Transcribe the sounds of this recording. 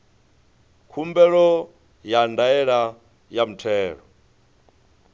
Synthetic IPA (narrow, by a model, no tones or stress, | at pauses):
kʰumbɛɺɔ | jandaɛɺa | jam̩tʰɛːɺɔ